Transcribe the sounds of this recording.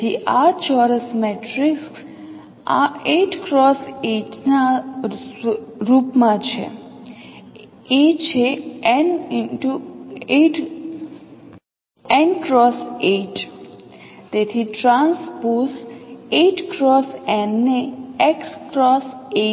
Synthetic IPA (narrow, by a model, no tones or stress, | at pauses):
d̪ʰiʔat͡ʃɔɾəsmeʈɾɪks | a̰eʈkɾɔseʈna | ɾupmãt͡ʃʰḛ | et͡ʃʰeɛnɪʈueʈ | ɛ̃ɳkɾɔseʈ | t̪et̪ʰiʈɾãnspoːseʈkɾɔsɛ̃nːeekskɾɔse